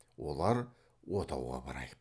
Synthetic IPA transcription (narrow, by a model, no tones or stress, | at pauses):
wʔo̞lˠɑɾ | wot̪ʰɑwʁɑ̰bɑɾɑ̰j